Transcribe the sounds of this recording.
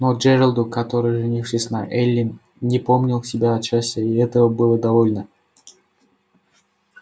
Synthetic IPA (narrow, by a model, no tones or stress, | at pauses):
nod͡ʒɛɾəlˠd̪ʊkɐt̪oɾɨjʐɨnʲifʂɨsʲnɐʔɛlʲːɪn | nʲɪpomnʲɪlˠsʲɪbʲaɐt̪t͡ɕːasʲtʲəiɛt̪əvəbɨlˠəd̪ɐvolʲnə